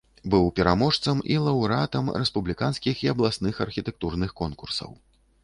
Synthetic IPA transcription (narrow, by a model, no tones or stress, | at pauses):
bɨwpʲɛɾamɔʂt̪sɐmḭlˠɐwɾat̪ɐmɾɛspublʲikanskʲixiɐblˠasnɨxɐrxʲit̪ɛk̚t̪urnɨxkɔnkursɐ̰w